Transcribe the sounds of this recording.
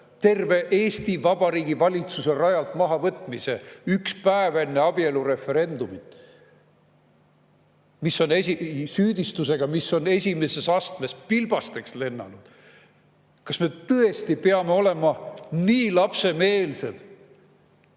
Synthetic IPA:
t̪e̞rve̞ʔe̞ːst̪ivɑb̥ɑɾiːɡivɑlʲit̪suse̞rɑjɑlt̪mɑɦɑvɤt̪ːˑmise̞ykspæeve̞nːe̞ɑb̥ie̞luɾe̞fe̞ɾe̞nd̪̥umit̪ˑ | miso̞nesisyːd̪ist̪use̞ɡ̥ɑmiso̞ne̞sʲime̞se̞sɑst̪me̞spilb̥ɑst̪eksle̞nːɑ̰nud̪̥ | kɑsme̞t̪ɤe̞st̪ipe̞ɑme̞o̞le̞mɑniːlɑpse̞me̞ːlse̞d̪̥

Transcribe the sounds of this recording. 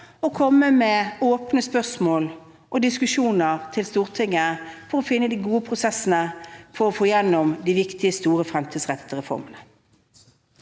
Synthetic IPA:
ɔkʰɔmːəmɛoːpnəspœʁsmoːl | ʔɔd̪ɪskʉʂuːnəʁt̪ʰɪlst̪uːʁt̪ʰɪŋːəfɔɾɔfɪnːəd̪ɪɡuːəpʰʁʊsɛsənəfɔʁɔfoːjɛnːɔmd̪ɪʋɪkt̪ɪəst̪uːɾəfɾɛmt̪ʰiːd̪sʁɛt̪ːə̥t̪ʰɪɾʁɛfɔ̰ʁmənə

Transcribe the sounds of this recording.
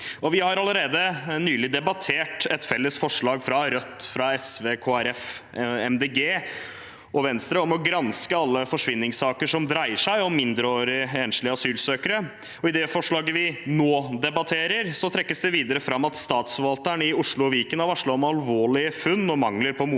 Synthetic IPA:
ɔʋɪhɑɾɑləɾeːd̪ənyːlɪd̪ɛbɑt̪ʰeːʈɛt̪fɛlːəsfɔʂɭɑːɡfɾɑɾœt̪ːfɾɑɛsʋeːkʰoːæɾɛfɛmd̪eːɡeː | ɔʋɛnst̪ɾəɔmɔɡɾɑnskəɑlːəfɔʂʋɪnːɪŋsɑːkəʂɔmd̪ɾæɪəʂæɪɔmːɪnd̪ɾəoːɾɪeːnʂlɪəɑsyːlsøːkəɾə | ɔɪd̪ɛfɔʂɭɑːɡəʋɪnoːd̪ɛbɑt̪ʰeːɾəɾsɔt̪ʰɾɛkːəsd̪ɛʋiːd̪əɾəfɾɑmːɑt̪st̪ɑːt̪sfɔɾʋɑlt̪əɳɪʊʂɭʊɔʋiːkənɑʋɑʂɭɑɔmɑlʋoːɭɪəfʉnːɔmɑŋləɾpʰɔmu

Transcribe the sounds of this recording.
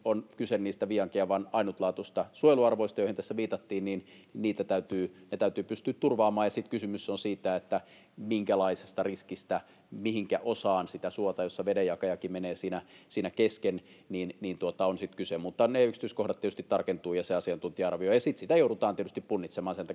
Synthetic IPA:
onkysenniːst̪æʋiɑŋkiæʋɑnɑinut̪lɑːt̪usʲt̪ɑsuojluɑrʋoist̪ɑjoˑihint̪æsːæʋiːt̪ɑt̪ːiːnnin | niːt̪æt̪æyt̪yːnet̪æyt̪yːpyst̪yːt̪t̪urʋɑːmɑːjɑsit̪kysymysːonsiːt̪æet̪ːæ | miŋkælɑise̥st̪ɑriskist̪æ | mihiŋkæʔosɑːnsit̪æsuot̪ɑjosːɑʋedejjɑkɑjɑkimeneːsiːnæsiːnækesken | niːnniːnt̪uot̪ɑonsit̪kysemut̪ːɑneyksi̥t̪yskohdɑt̪iet̪yst̪it̪t̪ɑrkent̪uːjɑseɑsiɑnt̪unt̪iɑɑrʋiojɑsit̪sit̪æjouɾut̪ɑːnt̪iet̪yst̪ippunːit̪semɑːnsent̪æ

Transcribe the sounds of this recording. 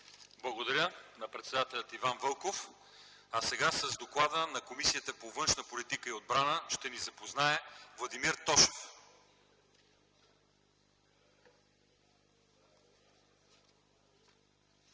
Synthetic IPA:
blˠɐɡod̪ɐɾʲənɐpɾɛt̪sɛd̪at̪ɛlʲət̪ivanvɤlˠkof | ɐsɛɡasəzd̪oklˠad̪ənɐkomisiət̪əpovɤnʃnəpolit̪ikəiod̪̚bɾanəʃt̪ɛnizɐpoznaɛvlˠɐd̪imiɾt̪ɔʃɛ̥f

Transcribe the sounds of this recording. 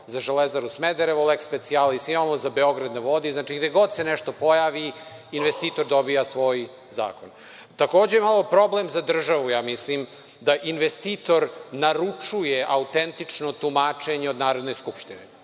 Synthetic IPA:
zaʒelezaɾusmed̪eɾeʋolekspe̞t̪sialisimamozabe̞o̞ɡɾad̪naʋo̞d̪iznaːt͡ʃiɡd̪eɡo̞d̪seneʃt̪o̞po̞jaʋiinʋest̪iːt̪o̞ɾd̪o̞bijasʋo̞ːj | za̰ːkon | t̪akoːd͡ʑejemalˠo̞pɾo̞blemzad̪r̩ʒaʋujaːmislim | d̪aʔinʋest̪it̪o̞ɾnaɾut͡ʂujeʔaut̪ent̪it͡ʂnot̪umaːt͡ʂeɲeod̪naːɾo̞d̪neskupʃt̪ine

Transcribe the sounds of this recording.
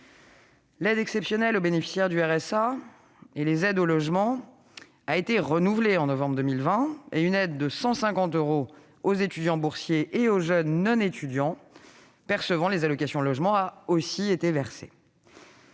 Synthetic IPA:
lɛd̪ɛksɛpsjɔnɛlobenefi̥sjɛʁd̪yɛʁɛsa | elezɛd̪olɔʒmɑ̃ | aet̪eʁənuvleɑ̃nɔvɑ̃bʁd̪əmilvɛ̃eynɛd̪ːəsɑ̃sɛ̃kɑ̃t̪øʁo | ozet̪yd̪jɑ̃buʁsjeʔeoʒœnːɔ̃net̪yd̪jɑ̃ | pɛʁsəvɑ̃lezalɔkasjɔ̃lɔʒmɑ̃aosiet̪evɛʁsḛ

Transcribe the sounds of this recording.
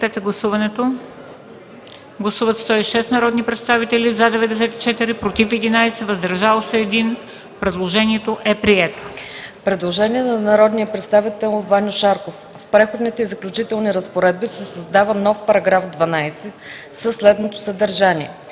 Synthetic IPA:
t̪ɛt̪ɛɡlˠɐsuvɐnɛt̪o | ɡlˠɐsuvət̪st̪ɔiʃɛst̪nɐɾɔd̪nipɾɛt̪st̪avit̪ɛlʲizad̪ɛvɛd̪ɛs̬ɛt̪i̥t͡ʃɛt̪iɾipɾot̪ifɛd̪inajsɛvɐzd̪ɐɾʒalˠsɛːd̪in | pɾɛd̪lˠoʒɛniɛt̪oʔɛpɾiɛt̪o̥pɾɛd̪lˠoʒɛniɛnɐnɐɾɔd̪nijəpɾɛt̪st̪avit̪ɛlˠvanʲoʃaɾkof | fpɾɛxod̪nit̪ɛizəklʲut͡ʃit̪ɛlˠniɾəspoɾɛd̪̚bisɛsɐzd̪avənɔfpɐɾɐɡɾafd̪vɐnajsɛ | səsːlɛd̪not̪o̥səd̪əɾʒaniɛ

